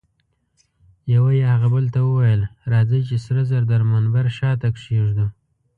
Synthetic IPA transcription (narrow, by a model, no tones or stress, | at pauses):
jawajehaɣabəlt̪awəwajəlɾɑd͡zəjt͡ʃesɾazaɾd̪aɾmanbaɾʃɑt̪akʂeʐd̪u